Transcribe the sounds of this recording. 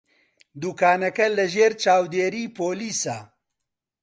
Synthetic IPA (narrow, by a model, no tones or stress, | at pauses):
d̪uːkaːnɛkɛlɛʒeːɾt͡ʃaːwd̪eːɾiːpʰoːliːsaː